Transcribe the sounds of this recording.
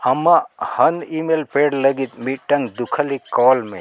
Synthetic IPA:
ɐmahɐnimelpeːɽləɡit̪miʈːɐ̃ŋɡd̪ukʰəlikɔːlmḛ̃

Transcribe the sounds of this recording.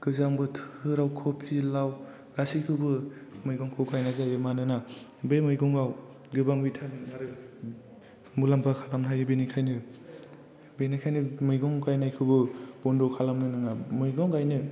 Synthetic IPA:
ɡ̥ɯzaŋbɯtʰɯɾawkʰɔpʰilaw | ɾasikʰɯbɯmɯjɡɔŋkʰɯkʰajnazajɯmanɯnabemɯjɡɔŋɡaw | ɡɯbaŋbitʰaminaɾɯ | mulampʰakʰalamnɦajɯbenikʰajnɯ | benikʰajnɯmɯjɡɔŋkajnajkʰɯbɯbɔndɔkʰalamnɯnɯŋamɯjɡɔŋkajnɯ

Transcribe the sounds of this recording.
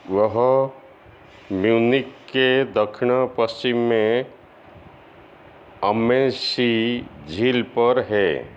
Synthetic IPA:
ʋəɦ | mjunɪkːed̪əkʰɳapəst͡ʃɪmːẽ | əmːesid͡ʒʱilpəɾɦɛ

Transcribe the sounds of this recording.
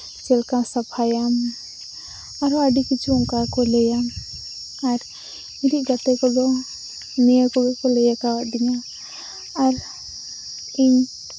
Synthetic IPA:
t͡ʃɛlkãsapʰajam | aɾɔaɖikit͡ʃʰuɔŋkakɔlɛjam | aɾ | iɾiʔɡat̪ɛkɔd̪ɔ | nijəkɔbɛkɔlɛjakawaʔd̪iɲaː | ɾ | iɲ

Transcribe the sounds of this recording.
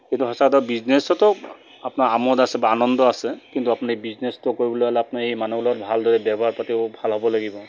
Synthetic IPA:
kint̪uɦɔsaktabiznesɔtɔ | apnaɹamɔdasɛbaanɔndɔasɛkintuapʊnabiznestɔkoɹibɔloalɛapnaejmanulɔtbʱaldɔɹɛbjabʱɔɦaɹpatiʊbʱalɦɔbɔlaɡibɔ

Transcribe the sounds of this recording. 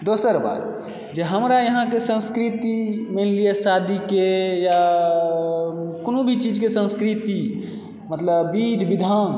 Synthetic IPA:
d̪osəɾba̰d̪ | d͡ʒeɦəmɾajəɦãkesə̃nskɾit̪imeliesad̪ʱikeja | konõbʱit͡ʃid͡ʒkesə̃nskɾit̪i | mət̪ləbːid̪ʱbid̪ʱan

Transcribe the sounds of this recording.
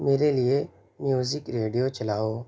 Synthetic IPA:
meːɾelie | mjuːzɪkɾeːɖijot͡ʃɐlaːoː

